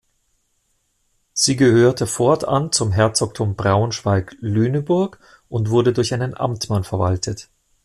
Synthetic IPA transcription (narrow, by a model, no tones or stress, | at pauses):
z̥iːɡəhøːɐtʰəfɔɐta̰nt͡sʊmɦɛɐt͡sɔk̚tʰʊmbʁaʊnʃv̥aɪklyːnəbʊɐk | ʔʊntv̥ʊɐɾədʊɐçaɪnənʔa̰mtmanfɛɐvaltʰət